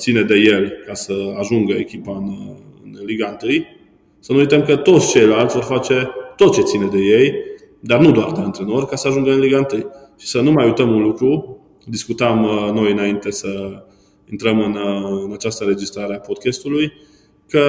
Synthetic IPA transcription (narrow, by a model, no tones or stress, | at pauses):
t̪sined̪e̞je̞lkasəaʒuŋɡəekʲipaɨn | ɨ̰nliɡaɨnt̪ɨj | sənuujt̪əmkət̪o̞t̪sʲt͡ʃe̞jlalt̪sʲvo̞rfat͡ʃe̞t̪o̞t̪̚t͡ʃe̞t̪sined̪e̞je̞j | d̪arnud̪oa̰rd̪eant̪ɾeno̞rʲkasəaʒuŋɡəɨnliɡaɨnt̪ɨjʃi̥sənumajujt̪əmunlukɾu | d̪iskut̪əmno̞jɨnaint̪e̞sə | int̪ɾəmɨnɨnat͡ʃast̪əɨɾe̞d͡ʒist̪ɾaɾeapo̞d̪̚kʲest̪uluj | kə